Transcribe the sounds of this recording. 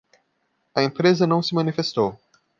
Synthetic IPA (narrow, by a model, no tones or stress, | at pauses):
ɐẽpɾezɐnɐ̃w̃sɪmɐ̃nifest̪ow